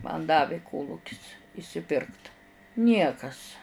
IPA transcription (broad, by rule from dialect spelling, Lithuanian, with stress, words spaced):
mɐn ˈdɑːʋʲɪ ˈkoːlˠʊkʲɪs ɪʃʲsʲɪˈpʲɪrkt ˈnʲiɛkɐs